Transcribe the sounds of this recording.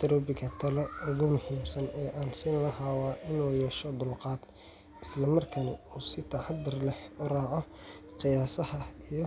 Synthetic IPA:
t̪ʰɐɾɔːbɪkɐt̪ʰɐlɛʊɣʊmʊhiːmsɐnɛːʔaːnsiːnlɐɦaːwaːʔɪnuːjɛːʃɔd̪ʊlqɑːd̪̥ | ɪslɐmɐrkʰɐnɪuːsɪt̪ʰɐʕɑd̪ːɐrlɛħʊɾaːʕɔ | qɪjaːsɐhɐijɔ

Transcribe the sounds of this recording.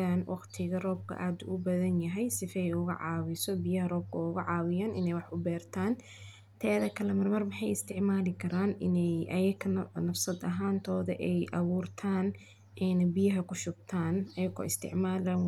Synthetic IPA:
aːnwʔɑqt̪ʰɪɣɐrɔːb̚kʰɐ̰ʔaːd̪ʊ̰ʔʊbɐðɐnjɐɦɛjsɪfɛjʊɣɐ̰ʕɑːwɪsɔbijɐɦɐrɔːb̚kʰɐʊɣɐʕɑːwɪjaːnʔɪ̰nɛjwɑħʊbɛːrt̪ʰaːn | t̪ʰɛːðɐkʰɐlɛmɐrmɐrmɑħɑjɪst̪ʰɪʕmaːlɪkʰɐɾaːnɪnɛjʔɐjɐkʰɐnɐfsɐd̪ɐɦaːnt̪ʰɔːðɐ̰ʔɛjʔɑwuːrt̪ʰaːn | ʔɛnbɪjɐɦɐkʰʊʃʊɡ̚t̪ʰaːnɐjɐɣɔ̰ːɪst̪ʰɪ̰ʕmaːlɐn

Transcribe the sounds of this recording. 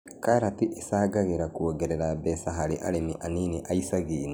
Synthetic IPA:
kaɾatiʔesaːɡaɣeɾakwoɡɛɾɛɾabɛsaɦaɾeʔaɾemiʔaniːniʔaisaɣiːn

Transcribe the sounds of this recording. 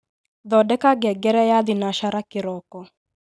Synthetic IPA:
d̪ɔdɛkaɡɛɡɛɾɛjad̪ɪnaʃaɾakɪɾɔkɔ

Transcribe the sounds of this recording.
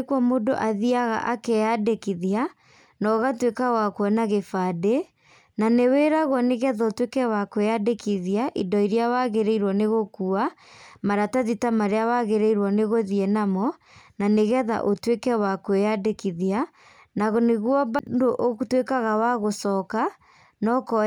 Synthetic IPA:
kwɔmodo̰ʔaðiaɣa̰ʔakɛadekiðia | nɔɣatwekawakwɔnaɣefade | naneweɾaɣwɔneɣɛðaotwekɛwakweadekiðiaʔidɔiɾiawaɣeɾeiɾwɔneɣokuamaɾataðitamaɾeawaɣeɾeiɾwɔneɣoðiɛnamɔ | naneɣɛða̰ʔotwekɛwakweadekiðia | naɣɔneɣwɔbdoʔotwekaɣawaɣosɔka | nɔkɔ

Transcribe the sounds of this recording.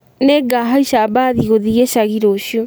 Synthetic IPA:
neɡaɦaiɕabaðiɣoðiɣeɕaɣiɾoɕjo

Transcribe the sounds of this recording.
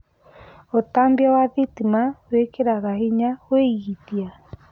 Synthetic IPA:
otambjawaðitimawekeɾaɣahiɲaweiɣitia

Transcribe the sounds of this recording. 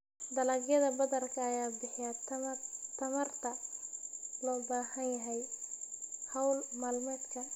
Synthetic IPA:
d̪ɐlɐɡjɐðɐbɐðɐrkʰɐːjaːbɪħɪjat̪t̪ʰɐmɐrt̪ʰɐ | lɔːbaːhɐnjɐɦɛj | hɐwlmaːlmɛːd̪kʰɐ

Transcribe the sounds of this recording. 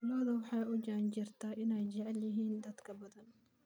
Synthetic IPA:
lɔːðɐwɑħɑjʔʊd͡ʒaʕnt͡ʃɪrt̪ʰaʔɪnɛjt͡ʃɛʕɛljɪɦiːnd̪ɐd̪kʰɐbɐðɐn

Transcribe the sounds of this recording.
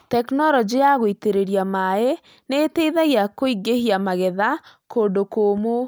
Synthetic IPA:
tɛknɔɾɔd͡ʒijaɣoiteɾeɾiamae | neteiðaɣjakoiɡehiamaɣɛðakondokoːmo

